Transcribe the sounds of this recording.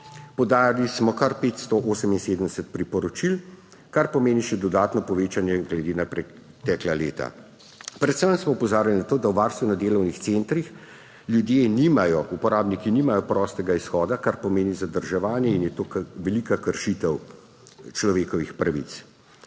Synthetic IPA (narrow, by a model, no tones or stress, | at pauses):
pɔwd̪aːjalismɔkaɾpeːt̪st̪ɔʔoːsəminseːd̪əmd̪ɛsət̪̚pɾipɔɾɔt͡ʃil | kaɾpɔmeːniʃɛd̪ɔd̪aːt̪nɔpɔʋeːt͡ʃanjɛɡlɛd̪eːnapɾɛ | t̪ɛːklaleːt̪a̰ | pɾɛt̪səmsmɔupɔzaːɾjalinat̪oːd̪awʋaːɾst̪ʋunad̪eːlɔwnixt̪sent̪ɾix | ljud̪jeːniːmajɔupɔɾaːbnikiniːmajɔpɾɔːst̪ɛɡaisxɔːd̪akaɾpɔmeːnizad̪əɾʒɛʋaːnjɛinjɛt̪oːʋɛlikakəɾʃit̪ɛw | t͡ʃlɔʋeːkɔʋixpɾaʋḭt̪s